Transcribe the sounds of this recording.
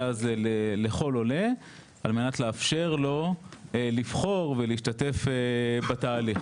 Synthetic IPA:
azleleχo̞lo̞le̞ | alme̞natleafʃe̞ʁlo̞ | livχo̞ʁveliiʃtate̞febataːliχ

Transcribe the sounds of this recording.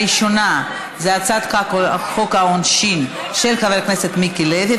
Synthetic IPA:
iʃona | zeat͡sad̪χakχokhaonʃin | ʃelkavekneset̪mikiled̪i

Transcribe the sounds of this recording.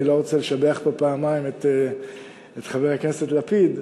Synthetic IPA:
ilo̞ʁot͡seleʃabeaχbapaːmaimet̪ | et̪χaveʁhakne̞se̞t̪lapid̪

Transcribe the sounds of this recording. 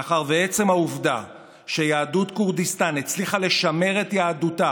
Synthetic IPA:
χaʁbe̞e̞t͡se̞mhauvda | ʃejaːdutkuʁdist̪anet͡sliχale̞ʃame̞ʁe̞tjaːduta

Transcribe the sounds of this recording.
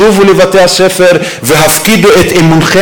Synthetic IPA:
uvulevat̪ehasefeɾ | veɦafkid̪uet̪emunχe

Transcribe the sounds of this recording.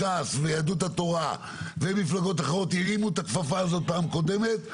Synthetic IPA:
asvejad̪ut̪̬at̪oʁa̰ | vemiflaɡo̞t̪aχaʁot̪̬jiʁimut̪akfafaːzot̪̚paːmkod̪emet̪

